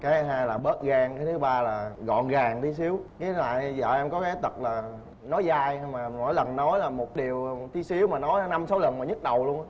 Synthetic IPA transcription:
kaː˨˦ɦaː˧jlaː˨˩ɓəː˦˥t̚ɣaː˧ŋkaː˨˦jt̪ʰɨ˨˦ɓaː˧laː˨˩ɣɔ̰˧˨nɣaː˨˩ŋt̪ʰi˨˦si˨˦əwkaː˨˦na̰ː˧˨jzə̰ː˧˨ʔɛ˧mkɔ˨˦kaː˨˦jt̪ə˨˩t̚laː˨˩ | nɔ˨˦jzaː˧jha˧jmaː˨˩mɔ˨˦jlə˨˩nːɔ˨˦jlaː˨˩mo˨˩t̚ɗi˨˩əwt̪ʰi˨˦si˨˦əwmaː˨˩nɔ˨˦jna˧msa˨˦wlə˨˩nmaː˨˩ɲɨ˦˥t̚ɗə˨˩wlu˧ən˧˦

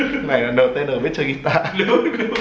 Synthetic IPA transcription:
na˨˩jlaː˨˩nəː˨˩t̪e˧nʔəː˨˩ɓe˦˥t̚t͡ɕə˧ɣi˧t̪aː˧ɗu˦˥ɗu˧˦

